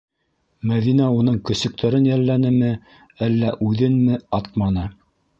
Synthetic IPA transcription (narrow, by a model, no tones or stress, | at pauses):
mæðinæun̪ɤɴkɵ̆sɵ̆k̚t̪ʰæɾɘnjælːænɘmɘ | ælːæʔʉðɘnmɘɑt̪̚mɑnɤ